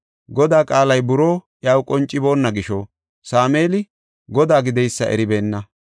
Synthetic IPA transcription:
ɡɔd̪aːkʼaːlɐjbʊɾo̞ːʔjawkʼɔnt͡ʃʼːɪbo̞ːnːɐɡɪʃɔ | saːme̞ːlɪ | ɡɔd̪aːɡɪd̪ɛjsːɐ̰ʔɛ̰ɾɪbe̞ːnːɐ

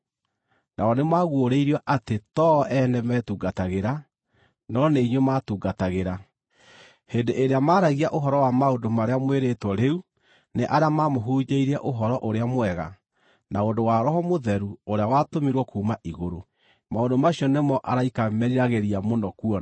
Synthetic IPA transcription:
nʔaɔnemaɣwoɾeiɾiɔʔatetɔʔɛnɛmɛːtuːɡataɣeɾa | nɔneiɲwematuːɡataɣeɾa | hendeʔeɾeamaːɾaɣiaʔoɦɔɾɔwamaondomaɾeamweɾetwɔɾeu | neʔaɾeamamoɦuɲeiɾɛʔoɦɔɾɔʔoɾeamwɛɣa̰ | naondowaɾɔɦɔmoðɛɾuoɾeawatomiɾwɔkuːmaʔiɣoɾo | maondomaɕiɔnemɔʔaɾaikamɛɾiɾaɣeɾiamonɔkuɔ

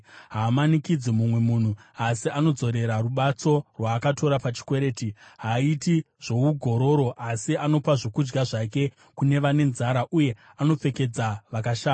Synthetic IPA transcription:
ɦaːmanikid͡zimumwe̞muːn̤uasiano̞d͡zo̞ɾe̞ɾaruɓat͡so̞rwaːkato̞ɾapat͡ʃi̥kwe̞ɾe̞ːtiɦaiti | ʐ̥ouɡʱo̞ɾo̞ɾo̞ʔasiano̞paʐokud͡ʒɡaʐake̞ | kune̞ʋane̞nzaɾaʔuje̞ | ano̞p͡fe̞ke̞d͡zaʋakaʃaːa

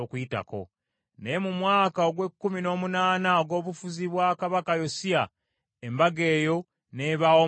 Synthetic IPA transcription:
okujita̰ko̞̰ | nejemumwaːkaoɡwe̞kːumino̞ːmunaːnaoɡo̞ːβufuziβwaːkaβakajo̞sia | embaɡe̞ːjo̞ | ne̞βao

